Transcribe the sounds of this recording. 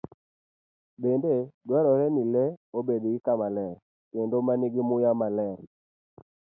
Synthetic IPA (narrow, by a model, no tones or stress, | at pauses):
bendedwɛɾɔɾɛnilɛobedɡikamalɛɾ | kendomaniɡɪmʊjamalɛɾ